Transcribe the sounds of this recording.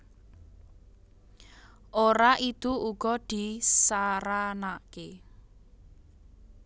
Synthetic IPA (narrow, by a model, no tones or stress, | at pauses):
ʔoɾaʔit̪uʔuɡ̥ɔd̪̥i̤saɾanake